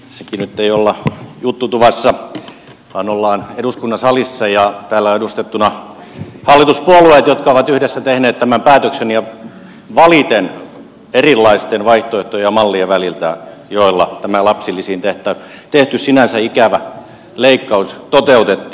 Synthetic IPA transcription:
sekinyt̪ːeiolːɑjut̪ːut̪uʋɑsːɑ | ʋɑːnolːɑːneduskunːɑsɑlisːɑjɑt̪æːlːæoedust̪et̪ːunɑ | hɑlːit̪uspuolueˑt̪jot̪kɑoʋɑt̪yhdesːæt̪ehneːt̪t̪æmæmpæːt̪øksenjɑ | ʋɑlit̪en | erilːɑist̪enʋɑiht̪oeht̪ojjɑmɑlːieʋælilt̪æjoilːɑt̪æmælɑpsilːisiːnt̪eht̪ˑæ | t̪eht̪yssinænsæikæʋæ | leikːɑust̪ot̪eut̪et̪ːi

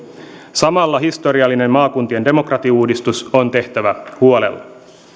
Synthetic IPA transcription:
sɑmɑlːɑɦist̪o̞ɾiɑlːine̞mmɑːkunt̪ie̞nde̞mo̞krɑt̪iuːdist̪uso̞nt̪e̞ht̪æʋæhuo̞le̞̰lːɑ

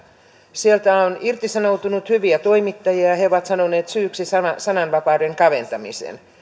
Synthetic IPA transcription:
sielt̪æonirt̪isɑnowt̪unut̪hyʋiæt̪o̞imit̪ːɑjiæheoʋɑt̪sɑnoneːt̪syːksisɑɑsɑnɑnʋɑpɑːdeŋkɑʋe̞nt̪ɑmḭsḛn

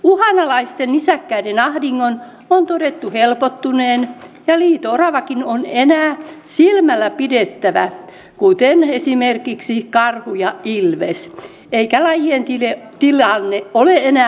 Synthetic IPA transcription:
uhɑnɑlɑist̪enisækːæidenɑhdiŋːon | ont̪odet̪ːuhelpot̪ːuneːnjɑliːt̪orɑʋɑkinonenæːsilmælːæpidet̪ːæʋæ | kut̪enesimerkiksikɑrhujɑilʋḛs | eikælɑjient̪ilet̪ilɑnːeʔoleenæː

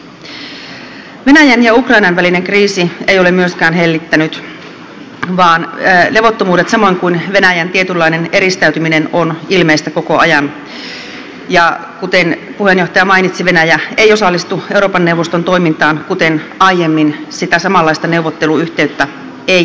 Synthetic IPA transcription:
ʋenæjænjɑukrɑinɑnʋælineŋkriːsiejo̞lemyøskæːnɦelːit̪ːænyt̪ | ʋɑːnleʋo̞t̪ːomuːdet̪sɑmo̞iŋkuinʋe̞næjænt̪iet̪ylːɑineneɾist̪æyt̪yminenonilmeist̪æko̞koɑ̰jɑn | jɑkut̪enpuhe̞njoht̪ɑjɑmɑinit̪siʋenæjæejosɑlːist̪ue̞uro̞ːpɑnːewʋːost̪ont̪oimint̪ɑːnkut̪enɑijemːinsit̪æsɑmɑlːɑist̪ɑne̞uʋot̪ːeluyht̪e̞yt̪ːæ | e

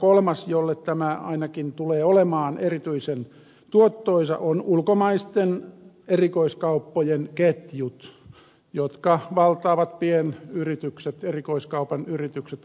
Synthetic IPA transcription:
kolmɑsjolːet̪t̪æmæɑ̰inɑkint̪uleːolemɑːnerit̪yisen | t̪uot̪ːoisɑ̰ʔonulkomɑist̪en | erikoiskɑupːojenket̪jut̪ | jot̪kɑʋɑlt̪ˑɑːʋɑt̪pienyrit̪ykset̪erikoiskɑupɑnyrit̪ykset̪

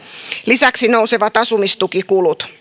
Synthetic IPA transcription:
lisæksinouseʋɑt̪ɑsumist̪ukikulut̪

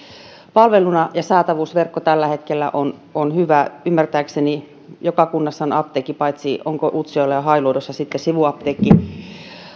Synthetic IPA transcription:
pɑlʋelunɑjɑsɑːt̪ɑʋuːsʋerkːot̪ælːæhet̪kelːæ̰ʔononhyʋæymːært̪æːkseni | jokɑkunːɑsːɑnɑp̚t̪eːkːipɑit̪sio̰ŋkoʔut̪sioilːɑjɑhɑiloidosːɑsit̪ːesiʋuɑpt̪eːkːi

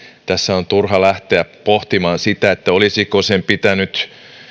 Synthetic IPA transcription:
t̪æsːæont̪urhɑlæht̪eæpoht̪imɑːnsit̪æet̪ːæolisikosempit̪ænyt̪

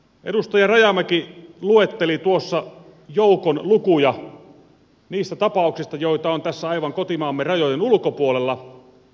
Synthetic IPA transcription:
ʔedust̪ɑjɑrɑjɑmækiluet̪ːelit̪uosːɑ | joukonlukujɑ | niːst̪æt̪ɑpɑˑuksist̪ɑjoit̪ɑont̪æsːæɑiʋɑŋkot̪imɑːmːerɑjojenulkopuolelːɑ

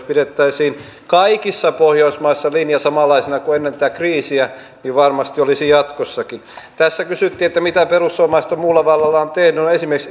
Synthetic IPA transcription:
spiɾet̪ːæisiːn | kɑikisːɑpohjoismɑisːɑlinjɑsɑmɑlːˑɑisinɑkuenːent̪æt̪ækriːsiæ | niʋʋɑrmɑst̪iolisijɑt̪kosːɑkint̪æsːækysyt̪ːiːet̪ːæmit̪æperusːomɑist̪ommuːlːɑʋɑlːɑlːɑont̪ehnynoesimerks

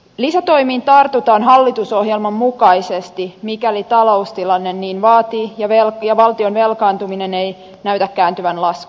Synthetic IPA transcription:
lisæt̪o̞jmiːnt̪ɑrt̪ut̪ɑːnɦɑlːit̪uso̞ɦjelmɑmːukɑisest̪imikælit̪ɑlo̞ust̪ilɑnːe̞nːiːnʋɑːt̪iːjɑʋeljɑʋɑlt̪ionʋe̞lkɑːnt̪umine̞ne̞j | næyt̪ækːæːnt̪yʋænlɑsk

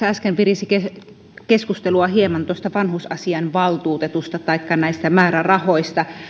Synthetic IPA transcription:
æskempirisike | keskust̪eluɑhiemɑnt̪ost̪ɑʋɑnhusɑsiɑnʋɑlt̪uːt̪et̪ust̪ɑt̪ɑikːɑnæist̪æmæːrærɑhoist̪ɑ

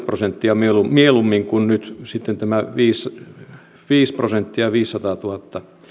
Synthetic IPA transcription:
prosent̪ːiɑmielumielumːiŋkunnyt̪sit̪ːent̪æmæʋiːs | ʋiːsprosent̪ːiɑʋiːsːɑt̪ɑːt̪uhɑt̪ːɑ

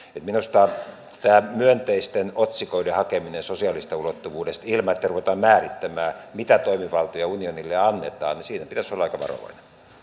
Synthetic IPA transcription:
et̪minust̪ɑː | t̪æːmyønt̪eist̪enot̪sikoidehɑkeminensosiɑlist̪ɑulot̪ːuʋuːdest̪ilmɑet̪ːæruʋet̪ɑːmmæːrit̪ːæmæːmit̪æt̪oimiʋɑlt̪ojɑunionilːeɑnːet̪ɑ̰ːnnisiːnæpit̪æsolːɑɑikɑʋɑ̰ro̰ʋɑ̰ine

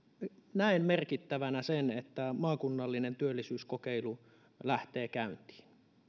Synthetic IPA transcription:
næimmerkit̪ːæʋænæsenet̪ːæmɑːkunːɑlːinent̪yølːisyːskokeilu | læht̪eːkæynt̪i̥ːn

